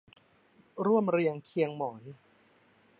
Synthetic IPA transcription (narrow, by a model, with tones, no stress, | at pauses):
ɾu˥˩əmɾi˧əŋkʰi˧əŋmɔː˩˦n